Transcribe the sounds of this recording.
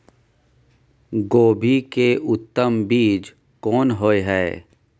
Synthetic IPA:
ɡoːbʱikeʔʊt̪ːəmbiːd͡ʒ | kɔːnɦoːeɦɛː

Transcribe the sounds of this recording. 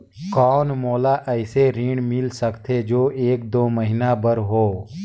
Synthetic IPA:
kɔːnmoːlaʔɛɪseɾiːɳmɪlsəkt̪ʰed͡ʒoːʔeːk̚d̪oːməɦɪnabəɾɦoː

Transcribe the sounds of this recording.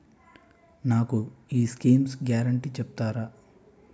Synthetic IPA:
naːkuiːskiːmsɡjaːɾɐɳʈit͡ʃɛput̪aːɾaː

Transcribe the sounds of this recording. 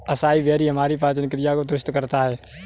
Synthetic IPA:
ɐsaːiʋɛːɾiɦɐmaːɾip̬aːsɪnɪkɾɪjakod̪ɾʊʃt̪kəɾt̪aɦɛː

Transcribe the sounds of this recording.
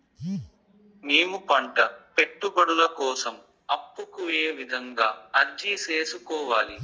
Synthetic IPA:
neːmupɐɳʈɐpe̞ʈːubɐɽulɐkɔːsɐm | ɐpːukujeːʋid̪ʱɐŋɡaːɐɾd͡ʒiseːsukɔːʋaːli

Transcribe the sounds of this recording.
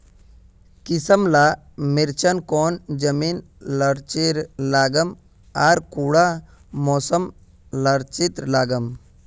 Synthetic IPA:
kisəmlaː | miɾt͡ʃənkoːnd͡ʒəmiːn | lɐɾt͡ʃiɾlaːɡəm | aːɾkuːɽa | moːsəm | lɐɾt͡ʃit̪ɾlaːɡəm

